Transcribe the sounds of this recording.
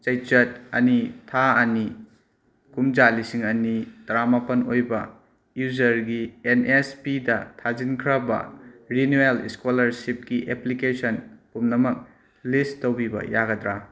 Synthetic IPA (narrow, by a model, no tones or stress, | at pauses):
t͡ʃɐjt͡ʃɐt̚ɐ̰nitʰaɐni | kumd͡ʒalisiŋɐnitɾamapɐnojbɐ | juzɐɾɡienespidɐtʰazinkʰɾɐbɐ̰ɾinuelḭskolɐɾsip̚kiʔeplikesɐnkumnɐmɐk̚ | listowbibɐ̰jaɡɐdɾa